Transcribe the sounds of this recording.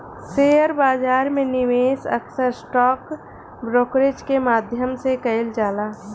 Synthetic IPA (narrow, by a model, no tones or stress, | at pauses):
seːjəɾbaːd͡ʒaːɾmẽnɪʋeːsə̰ksəɾsʈɔːk | bɾoːkɾed͡ʒkemaːd̪ʱjəmsekəɪld͡ʒaːlaː